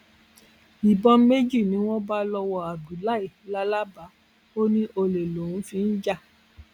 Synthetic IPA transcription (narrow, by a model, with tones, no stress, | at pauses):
i˨bɔ˧me˦d͡ʒi˦˨nĩ˨˦w̃ɔ̃˦ba˦lɔ˧wɔ˧˨a˨ɡu˨la˦i˦˨la˦la˦ba˨˦ | o˦nĩ˦ʔo˧le˨lo˨ũ˨˦fĩ˧˦n̩˦d͡ʒa˦˨